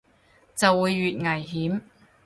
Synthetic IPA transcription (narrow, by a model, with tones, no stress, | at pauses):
t͡sɐ˨wːuː˨˧jːyː˨t̚ŋɐ˨˩jɦiː˨˥m